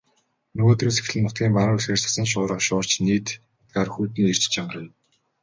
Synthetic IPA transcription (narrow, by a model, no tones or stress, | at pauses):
nɵɣoːt̪riːnse̥x̆ɮɘ̆nːʊt̪̚ɡʲiːmpaɾʊːesxeːr̥ʲsḁsə̆nʃ̬ʊːɾə̆χʃʊːr̥t͡ɕniːt̪ | t̪̚ɡaːrxuːt̪niːer̥t͡ɕt͡ɕaɴɢə̆rə̆jm